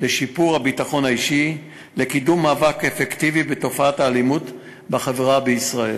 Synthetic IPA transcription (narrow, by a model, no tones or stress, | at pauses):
leʃipuʁhabitaχo̞naiʃi | le̞kidumːaːvakefektivibeto̞faathaːlimut | baχaveʁabeisʁaḛl